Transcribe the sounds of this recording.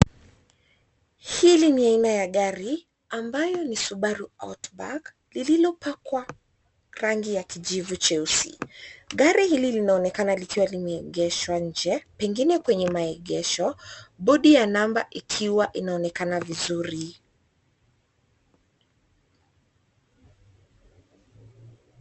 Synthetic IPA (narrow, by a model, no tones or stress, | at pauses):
hiliniainajaɠaɾi | ambajɔnisuɓaɾua̰wtba̰k | lililɔpakwa | ɾaŋɡijakiʄivut͡ʃɛusḭɠaɾihililinaɔnɛkanalikiwalimɛɛɠɛʃwaɲ̩d͡ʒɛpɛŋɡinɛkwɛɲɛmaɛɠɛʃɔɓɔɗijanambaʔikʰiwaʔinaɔnɛkanavizuɾi